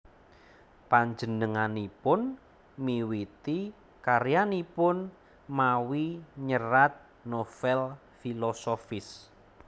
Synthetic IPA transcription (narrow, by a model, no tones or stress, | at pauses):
paɲd͡ʒənəŋanipʊn | miwit̪i | kaɾjanipʊn | mawiɲəɾat̪̚ | nofɛl | filɔsofɪs